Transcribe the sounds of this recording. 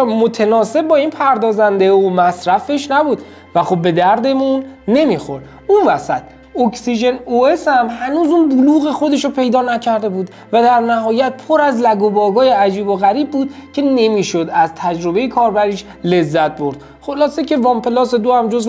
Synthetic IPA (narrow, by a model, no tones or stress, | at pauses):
mot̪ʰenɒːse̞b̚bɒːinpʰæɾd̪ɒːzænd̪eomæsɾæfe̞ʃnæbuːd̪ | væxo̞b̚ːe̞d̪æɾd̪e̞munːe̞miːxo̞̰ɾd̪̥ | unvæsæt̪̚ | oksiʒe̞noeshæmhænuːzuːnbuluːɣexo̞d̪e̞ʃopʰe̞jd̪ɒːnæcʰæɾd̪e̞buːd̪ | væd̪æɾnæhɒːjæt̪̚pʰo̞ɾæzlæɡobɒːɡɒːjeæd͡ʒiːboɣæɾiːb̚ːuːd̪̥̚cʰe̞ne̞miːʃod̪æzt̪ʰæd͡ʒɾo̞be̞jekʰɒːɾbæɾiːʃ | le̞zːæt̪̚bo̞ɾd̪̥ | χolɒːsecʰe̞vɒmpʰelɒːsed̪oæmd͡ʒoz